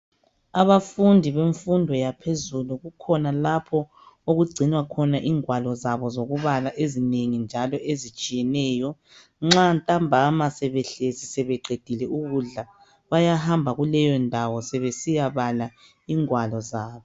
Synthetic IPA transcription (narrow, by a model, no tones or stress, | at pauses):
aβafundʱiβeɱfundʱɔjapʰezuluɣukʰɔnalapʰɔ | oɣuɡ͡ǀʱinwakʰɔnaʔiːŋwalɔzaβɔzoɣuβalaʔezineŋind͡ʒʱalɔʔezit͡ʃʼijɛnɛːjɔ | ŋ͡ǁantʼambʱamasɛβɛɬezisɛβɛɡ͡ǀʱed̥ʱilɛuɣuɮa | βajahambʱaɣulɛjɔndʱawɔsɛβesijaβala | iːŋwalɔzaːβɔ